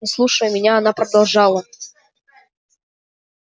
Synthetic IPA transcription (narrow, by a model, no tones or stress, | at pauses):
nɪslˠuʂəjʊmʲɪnʲaɐnapɾəd̪alˠʐɑlˠə